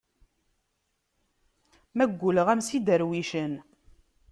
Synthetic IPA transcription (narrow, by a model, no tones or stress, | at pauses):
mæɡʷːuləʁæmsid̪əɾwiʃən